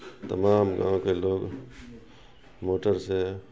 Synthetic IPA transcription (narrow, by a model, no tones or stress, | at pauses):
t̪əmaːmɡã̰ːõkeloːɡ | moːʈəɾse